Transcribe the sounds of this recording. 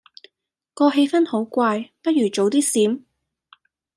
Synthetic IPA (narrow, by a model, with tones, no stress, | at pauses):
kɔː˧ɦe˧jfɐ˥nho˨˥wkʷaː˧jpɐ˥t̚jyː˨˩t͡ʃo˨˥wt̪iː˥siː˨˥m